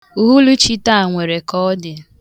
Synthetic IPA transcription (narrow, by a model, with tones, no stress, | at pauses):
u˨ɦu˦lu˦t͡ʃi˦ta˦a˨ŋʷe˨ɾe˨kɔ˦dɪ˨